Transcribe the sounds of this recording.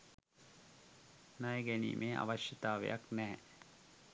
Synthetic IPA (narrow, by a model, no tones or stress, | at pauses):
najeɡænḭːmʔeːʔa̰ʋɐʃjət̪aːʋḛjʔaknɛː